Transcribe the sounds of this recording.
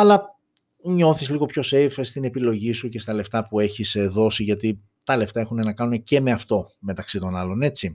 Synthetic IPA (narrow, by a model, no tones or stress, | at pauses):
ɐlɐ | ɲo̞θizliɣo̞pço̞se̞fst̪ine̞pilo̞ʝisuce̞st̪ɐle̞ft̪ɐpue̞çisðo̞siʝɐt̪i | t̪ɐle̞ft̪ɐe̞xune̞nɐkɐnune̞ce̞me̞ɐft̪o̞me̞t̪ɐksit̪o̞nɐlo̞ne̞t͡ssi